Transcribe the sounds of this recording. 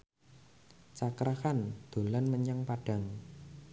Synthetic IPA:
t͡ʃakɾakand̪̥o̤lanməɲəŋpaɖ̥ä̤ŋ

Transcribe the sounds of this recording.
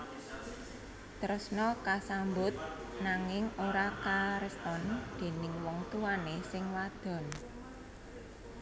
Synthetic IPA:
t̪əɾʊsnɔkasambʊt̪̚naŋɪŋoɾakaɾəst̪ɔnd̪̥e̤nɪŋwɔŋt̪uwanesɪŋwad̪̥ɔ̤n

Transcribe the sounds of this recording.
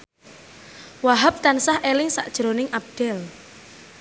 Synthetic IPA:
waɦap̚t̪ansahʔelɪŋsa̰ʔd̥ʒ̥ɾonɪŋʔab̚d̪̥ɛl

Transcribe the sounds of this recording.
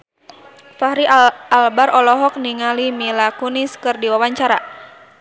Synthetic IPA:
fahɾialbaɾʔɔlɔɦɔk̚niŋalimilakuniskɨrdiwawaɲt͡ʃaɾa

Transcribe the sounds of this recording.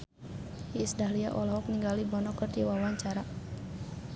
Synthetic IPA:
isdahlia̰ʔɔlɔɦɔk̚niŋɡalibɔnɔkərdiwawaɲt͡ʃaɾa

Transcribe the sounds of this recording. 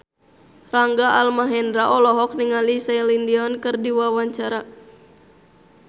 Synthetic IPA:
raŋɡaalmaɦɛndɾaʔɔlɔɦɔk̚niŋalisailindiɔnkɨrdiwawaɲt͡ʃaɾa

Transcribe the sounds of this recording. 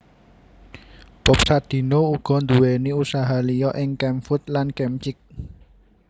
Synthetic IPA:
b̥ɔp̚sad̪̥i̤nouɡ̥ɔ̤nd̪uweniusaɦalijɔʔɪŋkɛmfʊt̪̚lankɛmt͡ʃɪk̚

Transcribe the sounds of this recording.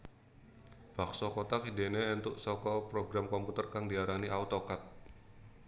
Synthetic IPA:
b̥aksɔkot̪akidenɛːnt̪ʊʔsɔkɔpɾoɡɾamkɔmput̪ərkaŋdiaɾaniʔaut̪okat̪̚

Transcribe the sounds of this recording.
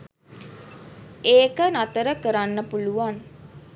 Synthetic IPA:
eːkənat̪əɾəkəɾanːəpuluʋan

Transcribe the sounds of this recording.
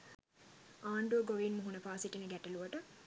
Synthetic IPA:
aːɳɖuʋəɡoʋinmuɦunəfaːsiʈinəɡæʈəluʋəʈə

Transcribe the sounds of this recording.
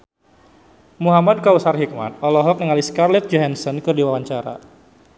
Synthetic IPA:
muɦamad̚kausarɦik̚ma̰t̪̚ɔlɔɦɔk̚nəŋaliskarlɛt̪̚d͡ʒɔɦɛnsɔnkɨrdiwawaɲt͡ʃaɾa̰

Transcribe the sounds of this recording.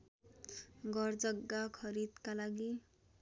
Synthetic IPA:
ɡʌrd͡zʌɡːakʰʌɾid̪kalaɡi

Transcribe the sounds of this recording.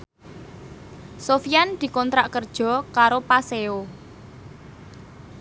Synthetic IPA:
sofijand̪̥i̤kɔnt̪ɾaʔkərd̥ʒ̥ɔ̤kaɾopaseo

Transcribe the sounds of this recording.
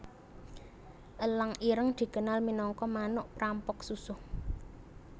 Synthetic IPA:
ʔəlaŋiɾəŋd̪̥i̤kənalminɔŋkɔmanʊʔpɾampʊksusʊh

